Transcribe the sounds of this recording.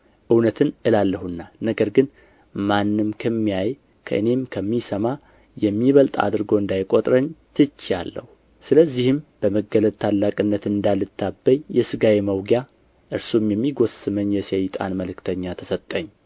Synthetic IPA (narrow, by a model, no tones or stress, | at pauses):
ʔɨwnət̪ʰɨnʔɨlalːəhunːanəɡəɾɡɨn | manːɨmkʰəmːijaj | kʰə̰ʔɨ̰ne̞mkʰəmːisəma | jɛmːiβəlt̪ʼa̰d̪ɨɾɡo̞ɨnd̪ajkʼo̞t̪ʼɾəɲt̪ʰɨt͡ʃːja̰lːə̰hu | sɨləzːihɨmb̥əməɡələd̪̚t̪ʰalːakʼɨnːət̪ɨnd̪alːɨt̪ʰːabːəɲjɛsɨɡaweməwɡja | ʔɨɾsumjɛmːiɡo̞sɨməɲːjɛsejt̪ʼa̰nməlɨkt̪ʰəɲːat̪ʰəsət̪ʼːəɲː